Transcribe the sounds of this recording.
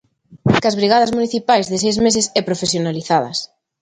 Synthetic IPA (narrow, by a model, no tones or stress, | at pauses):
kazβɾiɣaðɐzmuniθipajzðɪs̬ejzmesɪsɛpɾofesjonaliθaðɐ̰s